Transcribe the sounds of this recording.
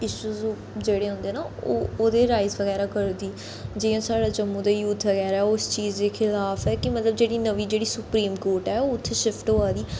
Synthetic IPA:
ɪʃuːzː | d͡ʒeːɽeːɦʊ̃nd̪eːnaːoːoːd̪eːɾaːɪzʋəɣɛːɾaːkəɾd̪iː | d͡ʒiːjãːsaːɽaːd͡ʒəmːũːd̪aːjuːt̪ʰʋəɣɛːɾaːɛʊst͡ʃiːzd̪eːxʰɪlaːfɛːkɪmət̪ləbd͡ʒeːɽiːnəʋiːd͡ʒeːɽiːsʊpɾiːmkoːɾʈɛːoːʊt̪ʰːeʃɪfʈɦoːaːd̪iː

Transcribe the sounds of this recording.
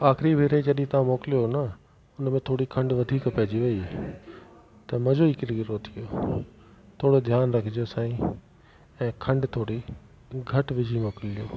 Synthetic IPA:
aːxɪɾibʱeːɾed͡ʑɐɗĩt̪ɐʋ̤ãmoːkɪlijonɐ | ʊnmẽt̪ʰoːɽikʰɐ̃ɳɖʋɐd̪ʱiːkpɐɦɪd͡ʑiʋɐi | t̪ɐmɐ̃d͡ʑoikɪɾɡɾot̪ʰijo | t̪ʰoːɽod̪ʱjaːnɾɐkʰɪd͡ʑosaːĩ | ɛ̃ːkʰɐ̃ɳɖt̪ʰoːɽi | ɡʱɐʈʋɪd͡ʑʱimoːkɪlijoː

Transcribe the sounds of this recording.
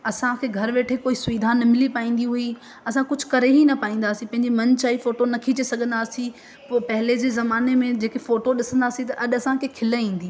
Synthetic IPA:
ɐsãkʰeɡʱɐɾʋeːʈʰekoːisʊʋiːd̪ʱaːnɐmɪlipaːĩːn̆d̪iɦui | ɐsãkʊd͡ʑʱʊkɐɾeɦinɐpaːĩːn̆d̪aːsĩpɐ̃ɦɪ̃ɲd͡ʑimɐ̃nt͡ɕaːifoːʈonɐkʰit͡ɕesɐɡʱə̃nd̪aːsĩ | pːpɐɦɪled͡ʑeːzɐmaːnemẽd͡ʑeːkefoːʈoɗɪsə̃nd̪aːsĩt̪ɐʔɐɗɐsãkʰekʰɪləĩːn̆d̪iː

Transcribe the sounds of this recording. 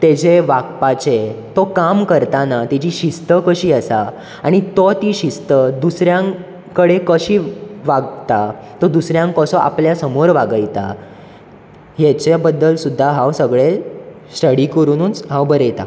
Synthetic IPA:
t̪ed͡ʑeʋaɡpat͡ɕet̪ɔkamkəɾt̪anat̪it͡ɕiɕist̪əkəɕiːəsa | aɽ̃it̪ɔt̪iːɕist̪əd̪usɾjãŋ | kəɽekəɕiːʋaɡt̪at̪ɔd̪usɾjãŋkɔsɔʔa̰pljasəmoɾʋaɡəjt̪a̰ | jet͡ɕebəd̪ːəlsud̪ʱːaɦawsəɡɭe | sʈəɽiːkəɾuːnuːnt͡sɦãwbəɾəjt̪a̰

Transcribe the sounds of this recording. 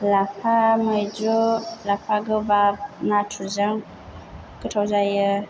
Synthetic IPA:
lapaməd͡ʒolapaɡəbanatʰuzəŋ | kətazajə

